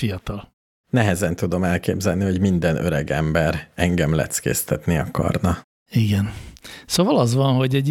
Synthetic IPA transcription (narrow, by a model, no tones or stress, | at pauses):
fijɒt̪ɒl | nɛɦɛzɛnt̪ud̪o̞mɛlkḛːbzɛlniɦo̞ɟmind̪ɛnø̰ɾɛɡɛmbɛɾɛŋɡɛmlɛ̰t̪skḛːst̪ɛt̪niɒkɒ̰rnɒ | iɡɛnsovɒlɒzʋɒnɦo̞ɟɛɟ